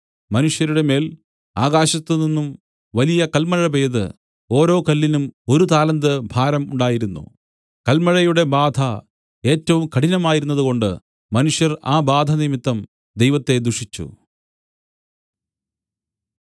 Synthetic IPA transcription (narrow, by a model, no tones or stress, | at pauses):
mɐnuʂjɐɾuɽe̞me̞ːl | aːɣaːɕɐt̪ːɨninːum | ʋɐlijɐkɐlmɐɻɐbeːðɨ̰ | o̞ːɾo̞ːkɐlːinumo̞ɾut̪aːlɐnd̪ɨbʱaːɾɐmuɳɖaːjiɾunːṵ | kɐlmɐɻɐjuɽe̞baːd̪ʱɐ | e̞ːtːɐʋumkɐɽinɐmaːjiɾunːɐðuko̞ɳɖɨ | mɐnuʂjɐraːbaːd̪ʱɐnimit̪ːɐm | d̪e̞jʋɐt̪ːe̞d̪uʂit͡ɕːṵ